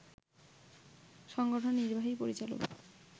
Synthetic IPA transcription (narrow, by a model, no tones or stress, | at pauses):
ʃɔŋɡoʈʰonːiɾbʱaɦipoɾit͡ɕalo̰k